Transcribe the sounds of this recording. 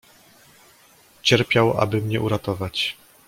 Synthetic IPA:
t͡ɕɛɾpʲjawa̰bɘmɲɛʔuɾat̪ɔvat͡ɕ

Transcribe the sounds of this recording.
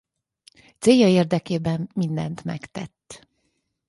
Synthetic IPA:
t̪seːjːɒeːrd̪ɛkeːbɛmːind̪ɛ̰nt̪mɛ̰kt̪ɛ̰t̪ː

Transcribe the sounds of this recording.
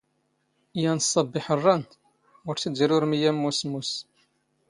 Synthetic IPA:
jænsˤːɑbːɪħərˤːɑn | ʊɾθid̪iɾʊɾmijæmːusmːus

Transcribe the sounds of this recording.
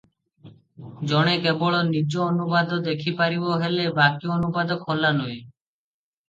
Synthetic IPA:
d͡ʑɔɽ̃ekeboɭonid͡ʑoonubad̪od̪ekʰipaɾiboɦelebakijoonupad̪okhɔlːanoj

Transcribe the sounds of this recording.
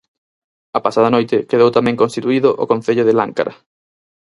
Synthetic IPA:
ɐpasaðɐnojt̪ɪkeðowt̪amɛ̃ŋkonst̪it̪uiðʊʔokõn̟θeʎʊðɪla̰ŋka̰ɾʔɐ̰

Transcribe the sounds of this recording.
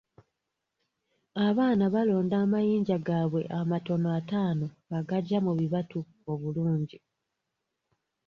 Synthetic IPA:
aβaːnaβalo̞ːndaːmajiːɲɟaɡaβwe̞ʔamato̞noataːno̞ | aɡaɟːamuβiβatu | o̞βuluːɲɟi

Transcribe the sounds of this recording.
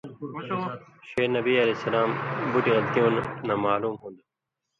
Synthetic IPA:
ʃeːnəbiːəleːsəlaːmbʊʈiːɣəlt̪ijũːnːãːmaːluːmɦũːnd̪oː

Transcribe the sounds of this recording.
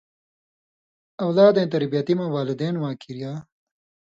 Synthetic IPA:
ɐwlaːd̪ẽːt̪ɐɾbijɐt̪imɐwaːlid̪eːnwãːkʰiɾjaː

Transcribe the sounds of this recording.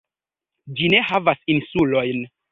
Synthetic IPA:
d͡ʒine̞havasinsulo̞jn

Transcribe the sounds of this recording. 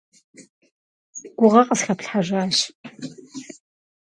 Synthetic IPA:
ɡʷʊʁɐqʼəsxapɬħaʒaːɕ

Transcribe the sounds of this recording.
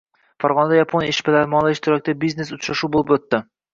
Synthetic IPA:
faɾʁɒnad̪ajapʰonjeʃbɪlaɾmɒlˠɪɪʃt̪ʰɪɾɒk̚ʲt̪abizne̞sʊt͡ʃɾaʃuːbolˠɪpɵt̪ːɪ

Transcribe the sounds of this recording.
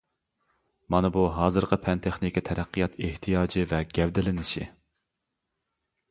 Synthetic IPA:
mɑnɨbuɦɑːzɨɾqʰəpʰɛnt̪ʰeχnɪkʲit̪ʰɛɾæqːijɑt̪ʰeht̪ʰijɑːd͡ʒɪvɛɡʲɛvd̪ɪlɪnɪʃḭ

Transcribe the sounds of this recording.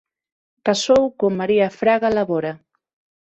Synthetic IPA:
pasowkomaɾiafɾaɣalaβɔɾa

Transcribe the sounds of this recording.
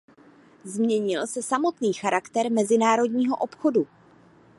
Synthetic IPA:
zmɲɛɲɪlsɛsamo̞t̪niːxaɾakt̪ɛɾmɛzɪnaːɾo̞dɲiːɦo̞ʔopxo̞du

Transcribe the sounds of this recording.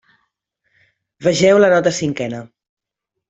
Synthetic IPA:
βəʒɛwlənɔt̪əsiŋkɛnə

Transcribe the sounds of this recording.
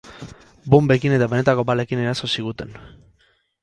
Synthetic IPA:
bombe̞kine̞t̪aβe̞ne̞t̪ako̞bale̞kine̞ɾaso̞siɣ̞ut̪e̞n

